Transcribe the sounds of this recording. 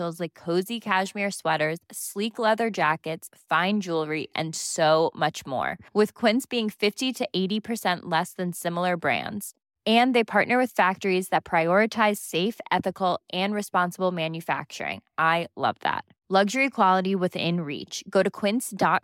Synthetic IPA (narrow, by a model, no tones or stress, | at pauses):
l̩ˠzlaɪkʰːoʊzikʰæʃmiɹswɛɾə˞z̥sliklɛðə˞d͡ʒækɨtsfãɪ̃nd͡ʒulˠɹiʔɨ̰̃nsoʊmʌt͡ʃmɔ̰ɹwɨð̥kʰw̥ɪ̃nsb̥iɪ̃ŋfɪftiɾɨʔeɪɾipʰə˞sɛ̃nʔlɛsðɨ̃nsɪ̃ml̩ˠə˞bɹæ̰̃ndz̥ | ɨ̃nðeɪpʰɑɹʔⁿnə˞wɨð̥fæk̚tə˞izðɨt̚pʰɹ̥aɪɔɹɨtʰaɪz̥seɪfʔɛθɨkl̩ˠʔɨ̃nɹɨspɑ̃nsəbl̩ˠmæ̃njɨfæ̰k̚t͡ʃə̰˞ɪ̰̃ŋʔaɪlʌ̰vðæ̰t̚ | lʌɡʒə˞ikʰw̥ɑlˠəɾiwɨðɪ̰̃nɹḭt͡ʃɡ̥oʊɾɨkʰw̥ɪ̃nsd̥ɑ